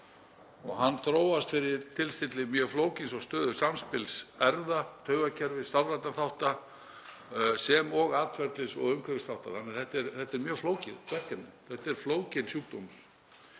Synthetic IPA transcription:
ɔɣɦanːθɾoːwast̪fɪɾɪɾt̪ʰɪlst̪ɪt̪lɪmjœːɣfloːwcɪnsɔɣst̪œːðʏɾ̥samspɪlsɛɾðat̪ʰœːɥɣacʰɛɾvɪsalvrat̪naθawht̪a | sɛmɔɣaːt̪fɛɾt̪lɪsɔ̰ɣʏmkʰœɾɪsθawht̪a̰θanːaθɛht̪ːɛɾθɛht̪ːɛɾmjœːɣfloːwcɪnkʰvɛr̥cɛt̪nɪθɛht̪ːɛɾ̥floːwcɪnsjuːkt̪owmʏɾ̥

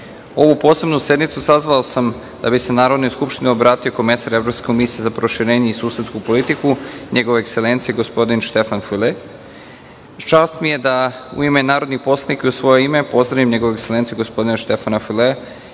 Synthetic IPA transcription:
o̞ʋupo̞ːse̞bnuse̞d̪nit̪susazʋaosam | d̪abise̞naːɾo̞d̪no̞jskupʃt̪ineo̞bɾaːt̪io̞ko̞misaɾevɾo̞pskekomisije̞zapɾo̞ʃiɾe̞ːɲeisuːse̞t̪skupo̞lit̪ikuɲeɡo̞ʋoekse̞lent̪sijeɡo̞spo̞d̪inʃt̪e̞fanfule | t͡ʃaːst̪mije̞d̪aṵime̞naːɾo̞d̪nixpo̞slanikausʋo̞je̞ime̞po̞zɾaʋimɲeɡo̞ʋoekse̞lent̪sijuɡospo̞d̪inaʃt̪e̞fanafule

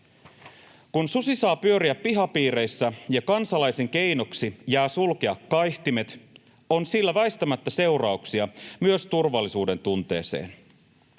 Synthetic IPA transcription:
kunsusisɑːpyøɾiæpːiɦɑpiːɾe̞jsːæjɑkɑnsɑlɑjse̞ŋk̟e̞jno̞ksijæːsulkeɑkːɑjçt̪ime̞t̪ | o̞nsilːæʋæjst̪æmæt̪ːæse̞wrɑuksiɑmyøst̪urʋɑlːisuːde̞nt̪unt̪e̞̰ːse̞̰ːn

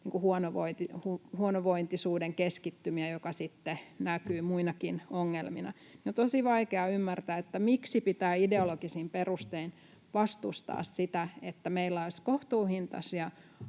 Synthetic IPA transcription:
niːŋkuhuonoʋoit̪ihuhuonoʋoint̪isuːdeŋkeskit̪ːymiæjokɑsit̪ːenækyːmuinɑkinoŋːelminɑ̰ | niont̪osiʋɑikeɑymːært̪æːet̪ːæmiksipit̪æːideolokisimperust̪ein | ʋɑst̪ust̪ɑ̰ːssit̪æet̪ːæmeilːæoisʲkoht̪uːhint̪ɑ̰sjɑ

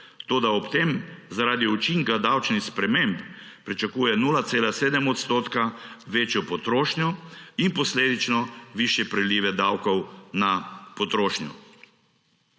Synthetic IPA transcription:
t̪oːd̪aɔpt̪eːmzaɾaːd̪iut͡ʃiŋkad̪awt͡ʃnixspɾɛmemp | pɾit͡ʃakuːjɛnuːlat̪seːlaseːd̪ɛmɔt̪st̪oːt̪kaʋeːt͡ʃjɔpɔt̪ɾoːʃnʲjɔinpɔsleːd̪it͡ʃnɔʋiʃjɛpɾɛliːʋɛd̪awkɔwnapɔt̪ɾoːʃnjɔ̰

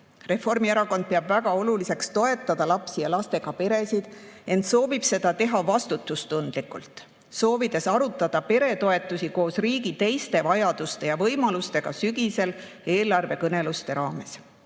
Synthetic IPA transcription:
re̞fo̞rmieɾɑko̞nd̪̚peɑb̥væɡ̥ɑo̞lulise̞kst̪o̞e̞t̪ːˑɑd̪̥ɑlɑpsijɑlɑst̪e̞ɡ̥ɑpe̞ɾe̞sid̪̥e̞nt̪so̞ːvib̥se̞d̪̥ɑt̪e̞ɦɑvɑst̪ut̪ːˑust̪und̪̥likːˑult̪ˑ | so̞ːvid̪̥e̞sɑɾut̪ːˑɑd̪̥ɑpe̞ɾe̞t̪o̞e̞t̪ˑːusiko̞ːsriːɡit̪e̞jst̪e̞vɑjɑd̪̥ust̪e̞jɑvɤjmɑlust̪e̞ɡ̥ɑsyɡ̥ise̞l | e̞ːlɑrve̞kɤne̞lust̪e̞ɾɑːme̞s

